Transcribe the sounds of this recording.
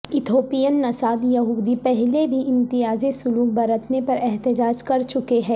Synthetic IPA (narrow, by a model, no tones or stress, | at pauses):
ɪt̪ʰoːpijənːɐsaːd̪jɐɦuːd̪ipɛɦlebʱiʔɪ̃mt̪ɪjaːzesʊluːk̚bɐɾət̪nepɐɾɛɦt̪ɪd͡ʒaːd͡ʒkɐɾt͡ʃʊkeɦɛ̃ː